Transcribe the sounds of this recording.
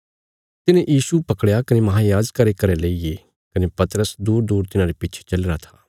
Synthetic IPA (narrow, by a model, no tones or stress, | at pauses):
t̪ɪnẽjʔiːsupɐkɽejakɐnemɐɦaːjaːd͡ʒkɐɾekɐɾeleːije | kɐnepɐt̪ɾəsd̪uːɾd̪uːɾt̪ɪnãɾepɪːt͡ʃʰe̥t͡ʃɐlːɾat̪ʰaː